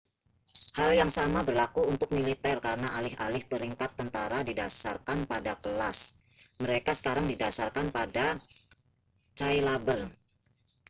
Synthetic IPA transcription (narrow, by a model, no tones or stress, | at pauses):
haljaŋsamabərlakuunt̪ʊk̚milit̪ɛrkaɾənaʔalɪha̰lɪhpəɾiŋkat̪ːənt̪a̰ɾadida̰sa̰rkanpadakəla̰sməɾekasə̥kaɾaŋdida̰sa̰rkanpada | t͡ʃajlabər